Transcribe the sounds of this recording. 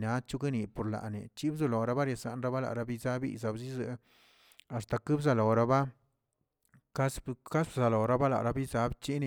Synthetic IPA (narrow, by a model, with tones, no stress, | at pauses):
na˨˦t͡ʃu˦ɡe˦ni˨po˨ɾla̰˨nḛ˨t͡ʃi˦bzu˧lo˨ɾa˧˦ba˦ɾja˨sa̰˨nɾa˦ba˦la̰˨ɾa˧˦bi˦za˦bḭ˦za˨bzi˦zɨ˧˦ | a˨st̪a˨kɨ˦bza˧lo˨ɾa˧ba˦ | ka˦ska˦sbza˨lo˨ɾa˦ba˦la̰˨ɾa˧bi˦za˨˦bt͡ʃi˦ne˧